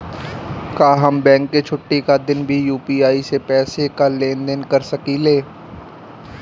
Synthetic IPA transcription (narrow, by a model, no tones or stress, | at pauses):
kaːɦɐmbɛ̃ːŋkːet͡ʃʰʊʈːikad̪ɪnbʱijuːpiːaːisepɛːsekalẽːnd̪ənkɐɾsɐkileː